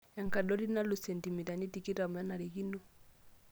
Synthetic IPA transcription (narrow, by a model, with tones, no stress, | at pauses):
ɛ˨ŋka˨dɔ˦ɾi˦na˦lu˨sɛ˨nti˨mi˨ta˨ni˦ti˦ki˦ta˨m˨a˦na˨ɾe˨ɣi˦nu˦